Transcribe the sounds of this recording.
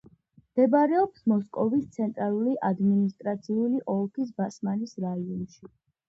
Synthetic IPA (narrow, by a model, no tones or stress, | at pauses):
md̪̥ɛbaɾɛɔpsmɔskʼɔvist̪sʰɛnt̪ʼɾaluliʔad̪minist̪ʼɾat̪sʰiuliʔɔlˠkʰis̬basmanisɾaiɔnʃi